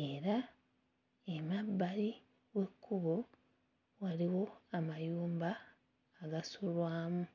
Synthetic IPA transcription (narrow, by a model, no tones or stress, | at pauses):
e̞ɾa | emabːali | we̞kːuβo | waliwo̞amajuːmbaː | ɡasulwaːmu